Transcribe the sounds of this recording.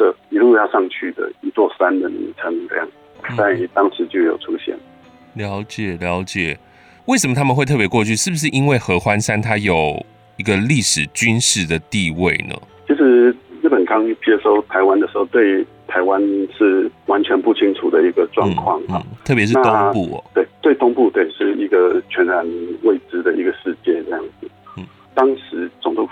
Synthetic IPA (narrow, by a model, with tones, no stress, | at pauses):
ə˥˩i˧˥lu˥˧t͡ɕja˥˧ʂɑ˥˧ŋt͡ɕʰy˥˩d̪ə̰˩i˧˥t͡swɔ˥˧sa˦˥nd̪ə˨nḭ˧˥nt͡sʰə˧˥ŋɤ̰˧˥˧jɑ̰˥˩ŋ | t̪a˥˩n˧˩t̪ɑ˥ŋʂɻ̩˧˦t͡ɕjo˥˩ʊjo˨˩ʊʈ͡ʂʰu˦˥ɕjɛ̰˥˩n | ljɑ˧˦˥ʊt͡ɕjɛ˨˩ljɑ˧˥ʊt͡ɕjɛ˨˩ | we˥˩ɪʂə˨˩mə˩t̪ʰa˥mə˨xwe˥˧ɪt̪ʰpjɛ˧˥kwo˥˧t͡ɕʰy˥˧ʂɻ̩˥˩bu˩ʂ̬ɻ̩˥˩ʔi˦nwe˥˩ɪxɤ˧˥xwa˦nsa˦nt̪ʰa˦˥jo˨˩ʊ | i˧˥ɡə˧li˥˩ʂɻ̩˨˩t͡ɕy˥nʂɻ̩˥˩d̪ə˨t̪i˥˧we˥˩ɪnə̰˩t͡ɕʰi˧˥ʂɻ̩˧˥ɻ̩˥˩pə˨˩nkɑ˥ŋi˥˩t͡ɕjɛ˥ʂo˥˩ʊt̪ʰa˧˥ɪwa˥˦nd̪ə˨ʂɻ̩˧˥o˥˧ʊt̪we˥˩ɪt̪ʰa˧˥ɪwa˦nʂɻ̩˥˩wa˧˦nt͡ɕʰɥɛ˧˦npu˥˩t͡ɕʰi˥ŋʈ͡ʂʰu˨˩d̪ə˦i˧˥ɡə˧ʈ͡ʂwɑ̰˥˧ŋkʰwɑ̰˥˩ŋ˥˩˨t̪ʰɤ˥˩pjɛ˧˦ʂɻ̩˥na˥˧ʊ˥ŋpṵ˥˩t̪we˥˩ɪt̪we˥˩ɪt̪ʊ˥ŋpu˥˧t̪we˥˩ɪʂɻ̩˥˩i˧˥ɡə˧t͡ɕʰɥɛ˧˥nɻa˧˥nwe˥˩ɪʈ͡ʂɻ̩˥d̪ə˨i˧˥ɡə˨ʂɻ̩˥˧t͡ɕjɛ˥˧ʈ͡ʂɤ˥˧jɑ̰˥˩ŋd͡zɹ̩˨˩˥ | t̪ɑ˥ŋʂɻ̩˧˦t͡sʊ˨˩ŋt̪u˥˧